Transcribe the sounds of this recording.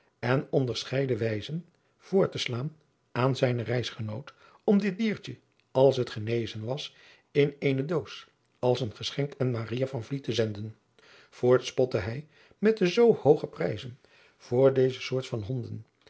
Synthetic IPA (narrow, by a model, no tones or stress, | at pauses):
ɛnɔndəɹsχɛjdəʋɛjzən | v̥ʊːɹtəslaːn | ʔaːnzɛjnərɛjsχənowt | ɔmdɪt̚diːɹt͡ʃə | ɑlˠsɦətχənejzənʋɑs | ɪnejnədows | ɑlˠsənχəsχɛŋkɛnmaːrijavɑnvlitəzɛndən | v̥ʊːɹtspɔtəɦɛj | mɛt̚dəzowhowχəprɛjzən | v̥ʊːɹdejzəsʊːɹtfɑnɦɔndən